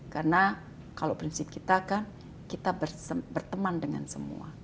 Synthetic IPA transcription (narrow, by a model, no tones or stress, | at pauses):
karna | kalowpɾinsɪp̚kit̪akan | kit̪abərəbərt̪əmandəŋa̰nsəmṵa̰